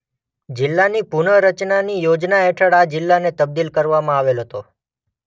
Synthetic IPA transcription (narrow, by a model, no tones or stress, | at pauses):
d͡ʒɪlːanipuɳəɾət͡ʃnanijod͡ʒnaɛʈʰəɽad͡ʒɪlːanet̪əb̚d̪ilkəɾʋamãaʋelɦət̪o